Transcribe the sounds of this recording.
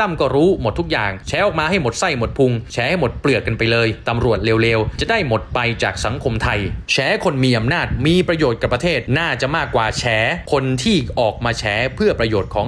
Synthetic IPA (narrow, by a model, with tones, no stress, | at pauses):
a˥˩mkɔː˥˩ɾuː˦˥mo˨˩t̪ʰːu˦˥k̚jaː˨˩ŋt͡ɕʰɛː˦˥ʔɔː˨˩k̚maː˧ha˥˩jmo˨˩t̪̚sa˥˩jmo˨˩t̪̚pʰu˧ŋt͡ɕʰɛː˦˥ha˥˩jmo˨˩t̪̚plɯ˨˩ət̚ːa˧npa˧jlɤː˧jt̪a˧mɾu˨˩ət̪̚leː˧wleː˧wt͡ɕa˨˩da˥˩jmo˨˩t̪̚pa˧jt͡ɕaː˨˩k̚sa˩˦ŋkʰo˧mt̪ʰa˧jt͡ɕʰɛː˦˥kʰo˧nmiː˧ʔa˧mnaː˥˩t̪̚miː˧pɾa˧joː˨˩t̪̚ka˨˩pːɾa˧t̪ʰeː˥˩t̪̚naː˥˩t͡ɕa˨˩maː˥˩kːwaː˨˩t͡ɕʰɛː˩˦˥kʰo˧nt̪ʰiː˥˩ʔɔː˨˩k̚maː˧t͡ɕʰɛː˦˥pʰɯ˥˩ɐpɾa˧joː˨˩t̪̚kʰɔː˩˦ŋ